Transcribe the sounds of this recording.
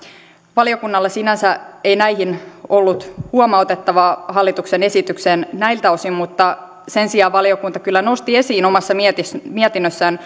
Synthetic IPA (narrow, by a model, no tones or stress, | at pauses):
ʋɑlio̞kunːɑlːesinænsæeinæihinolːut̪huomɑot̪et̪ːɑʋɑːhɑlːit̪uksene̞sit̪ykseːnnæilt̪æosimmut̪ːɑ | se̞nsiɑːʋʋɑlio̞kunt̪ɑkylːæno̞st̪iesiːnomɑsːɑmt̪imiɛt̪inːøsːæːn